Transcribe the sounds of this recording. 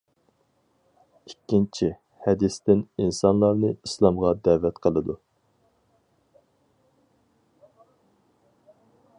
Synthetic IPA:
ikʲːint͡ʃʰi | hɛd̪ɪst̪ɪninsɑnlˠɑɾnɨislˠɑmʁɑd̪ɛvɛt̪qʰəlˠɨd̪u

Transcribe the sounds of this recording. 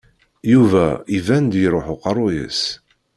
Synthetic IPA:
juvæivænd̪jəɾˤoħʊqɑrˤːʊjə̰s

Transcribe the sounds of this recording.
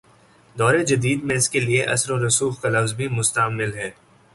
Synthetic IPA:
d̪ɔːɾed͡ʒɐd̪iːd̪mẽɪskelieʔɐ̰sɾoɾʊsuːxkalɐfzbʱimʊst̪əmɪlɦɛː

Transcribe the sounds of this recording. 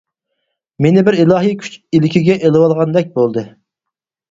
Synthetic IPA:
menɪbɪɾilˠɑɦijkʲʰy̥t͡ʃilɪkʲʰiɡʲɛʔelɨwɑlˠʁɑnd̪ɛk̚ʲbolˠd̪ɨ

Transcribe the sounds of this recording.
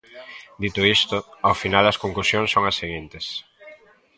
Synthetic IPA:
d̪it̪ʊist̪ʊawfinalɐskoŋklusjõŋsːoŋɐsːeɣint̪ɪs

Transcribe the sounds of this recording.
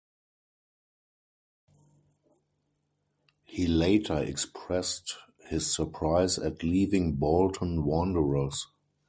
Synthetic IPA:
hiːleɪtʰə˞ɛ̰kspʰɹɛst | hɪsːə˞pʰɹaɪzætʰliːvɪ̃ŋbɔltʰə̃n̩wɔ̃ndəɹəs

